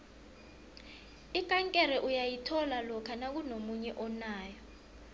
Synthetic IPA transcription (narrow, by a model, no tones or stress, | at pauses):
ikʼaŋkʼɛɾɛʔujajitʰɔlalɔkʰanak̬unomuɲɛʔɔnaːjɔ